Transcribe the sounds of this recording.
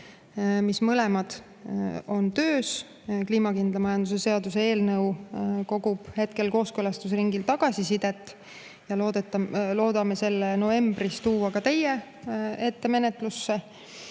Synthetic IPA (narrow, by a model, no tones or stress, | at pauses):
mismɤle̞mɑd̪̥ | o̞nt̪øːs | kliːmɑkind̪lɑmɑjɑnd̪̥use̞se̞ɑd̪̥usee̞ːlnɤwko̞ɡub̥he̞t̪ke̞lko̞ːskølɑst̪us̬riŋɡilt̪ɑɡ̥ɑsisid̪̥e̞t̪ːˑ | jɑlo̞ːd̪et̪ːɑlo̞ːd̪̥ɑmese̞lːenove̞mbrist̪uːwɑkɑt̪e̞je | e̞t̪ːe̞me̞net̪ˑlusːe